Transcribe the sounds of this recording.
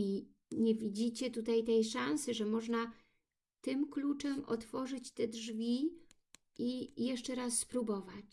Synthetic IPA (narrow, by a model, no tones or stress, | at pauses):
i | ɲɛvʲid͡ʑit͡ɕɛt̪ut̪ajt̪ɛjʂansɘʐɛmɔʐna | t̪ɘmklut͡ʂɛmɔ̰t̪fɔʐɘt͡ɕt̪ɛdʐvʲi | ijɛʂt͡ʂɛɾasːpɾubɔvat͡ɕ